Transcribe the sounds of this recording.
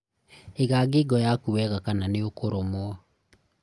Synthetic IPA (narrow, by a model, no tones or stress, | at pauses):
eɣaːɡeɡɔjakuβɛːɣakananeokoɾomwɔ